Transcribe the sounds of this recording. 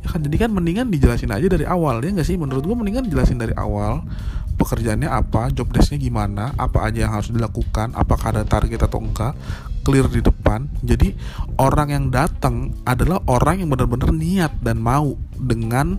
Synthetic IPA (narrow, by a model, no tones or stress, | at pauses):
akand͡ʒadikanməniŋandid͡ʒəlasɪna̰d͡ʒadaɾiʔawaljaŋɡaʔsɪhmənuɾʊt̪̚ɡuaməniŋandid͡ʒəlasɪndaɾiʔa̰wal | pəkərd͡ʒaʔanɲaʔapad͡ʒɔp̚dɛsɲaɡimanaʔa̰pa̰ʔad͡ʒajaŋɦaɾʊsdilakukana̰pakaadat̪arɡɛt̪at̪a̰wəŋkakəlɪrdidəpand͡ʒadiʔoɾaŋjaŋdat̪əŋʔadalahʔoɾaŋjaŋbənərbənərniat̪̚danmaudəŋan